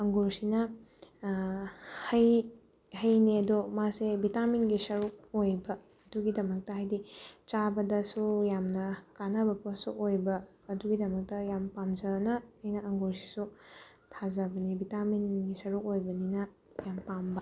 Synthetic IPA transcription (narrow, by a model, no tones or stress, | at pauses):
ɐŋɡuɾsinɐ | hɐj | hɐjniɐdomasebitaminɡisɐɾuk̚ojbɐː | duɡidɐmɐk̚tɐɦajdit͡ʃabɐdɐsujamnɐkanɐbɐposṵʔojbɐː | duɡidɐmɐk̚tɐjampamzɐnɐːjnɐɐŋɡuɾsi̥su | tʰazɐbɐnibitaminɡisɐɾuk̚ojbɐninɐ | jampambɐ